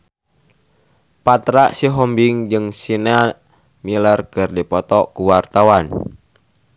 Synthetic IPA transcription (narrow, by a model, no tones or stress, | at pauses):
pat̪ɾaʔsiɦɔmbɪŋd͡ʒɨŋsinea | milərkərdipɔt̪ɔkuwart̪awan